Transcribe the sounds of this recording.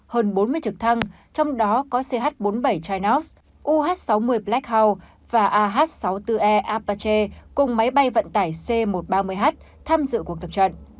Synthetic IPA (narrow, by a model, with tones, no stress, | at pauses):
həː˧nɓo˨˦nmɨ˧əjt͡ɕɨ˨˩k̚t̪ʰa˧ŋ | t͡ɕɔ˧wŋ͡mɗɔ˨˦kɔ˨˦se˧ɦaː˦˥t̚ɓo˨˦nɓə˧˩jt͡ɕaː˧jnɔ˦˥ws | ʔu˧ɦaː˦˥t̚sa˨˦wmɨ˧əjplɛ˦˥k̚haː˧w | vaː˨˩ʔaː˧ɦaː˦˥t̚sa˨˦wt̪ɨ˧ʔɛ˧ʔaː˧pa˧t͡ɕe˧kʊ˨˩ŋ͡mma˨˦jɓa˧jvə̰˧˨nt̪aː˧˩jse˧mo˨˩t̚ɓaː˧mɨ˧əjɦaː˦˥t̚ | t̪ʰaː˧mzɨ̰˧˨ku˨˩ək̚t̪ə˨˩p̚t͡ɕə̰˧˨nʔ